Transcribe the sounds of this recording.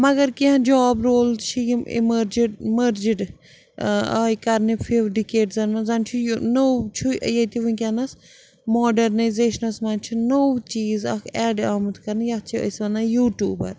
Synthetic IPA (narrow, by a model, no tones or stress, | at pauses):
mɐɡɐɾkiɦãd͡ʒaːbɾoːlt͡ʃʰiimḭməɾd͡ʒɖmɐɾd͡ʒiɖ | aːikɐɾnipʰiʋɖikeːɖzɐnmɐnzɐnt͡ʃʰunowt͡ʃʰṵjɐt̪iʋuikʲanɐs | mɔːɖɐɾnɐjzeːʃɐnɐsmɐːnt͡ʃʰinowt͡ʃiːzɐ̰kʰɛːɖaːmɐt̪kɐɾnijɐt͡ʃʰiɐ̰sʋɐnɐjuːʈjuːbɐ̰ɾ